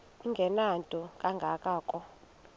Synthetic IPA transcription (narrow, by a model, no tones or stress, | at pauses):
iŋɡʱɛnantʼɔkʼaŋɡʱakʼaːkʼɔ